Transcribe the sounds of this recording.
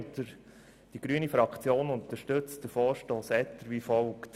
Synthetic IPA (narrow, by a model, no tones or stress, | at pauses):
t̪əɾ | d̥iɡ̥ɾyːənifɾɑkʰt͡sjoːnʊnt̪əʃtɵt͡sd̥əfɔːɾʃtoːsɛt̪əɾʋiːfɔlkt